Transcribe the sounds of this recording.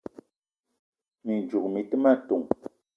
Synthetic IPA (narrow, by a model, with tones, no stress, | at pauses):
mi˨nd͡ʒu˨k̚mi˨tɨ˦ma˦tu˨ŋ